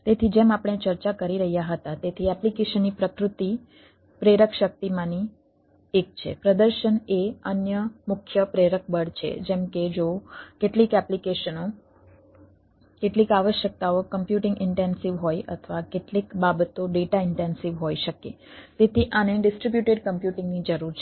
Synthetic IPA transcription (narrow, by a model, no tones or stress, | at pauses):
t̪et̪ʰid͡ʒemapəɳ̃et͡ʃəɾt͡ʃakəɾiɾəɦjaɦət̪at̪et̪ʰiɛplikeʃənːipɾəkɾut̪i | pɾeɾəkʃək̚t̪imãni | ek̚t͡ʃʰḛpɾəd̪əɾʃəneənjəmʊkʰjəpɾeɾək̚bəɽt͡ʃʰḛd͡ʒemked͡ʒokeʈlikɛplikeʃəno | keʈlikaʋəʃjək̚t̪aokəmpjuʈɪ̃ŋɡɪɳʈensiʋɦojʔə̰t̪ʰəʋakeʈlikbabət̪oɖeʈaɪɳʈensiʋɦojʃəkḛ | t̪et̪ʰiʔaneɖɪsʈɾibjuʈeɖkəmpjuʈɪ̃ŋɡnid͡ʒəɾuɾt͡ʃʰe